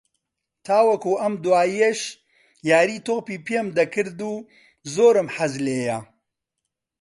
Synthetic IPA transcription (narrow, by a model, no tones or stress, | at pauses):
t̪ʰaːwɐkuʔɐmd̪uwaːjieʃ | jaːɾiːt̪ʰoɣpiːpʰiemd̪ɐkʰɨɾd̪uː | zoːɾɨmħɐzleːjɐ